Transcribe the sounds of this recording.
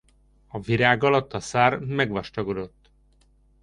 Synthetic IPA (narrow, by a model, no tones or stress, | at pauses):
ɒviɾaːɡɒlɒt̪ːɒsaːrmɛɡʋɒʃt̪ɒɡo̞d̪o̞t̪ː